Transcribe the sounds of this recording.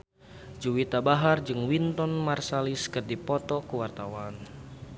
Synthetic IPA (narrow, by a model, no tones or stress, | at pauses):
d͡ʒuwit̪abaɦard͡ʒɨŋwint̪ɔnmarsaliskɨrdipɔt̪ɔkuwart̪awan